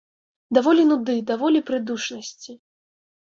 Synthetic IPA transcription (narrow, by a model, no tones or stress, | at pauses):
d̪avɔlʲinud̪ɨd̪avɔlʲipɾɨd̪uʂnɐsʲt͡sʲi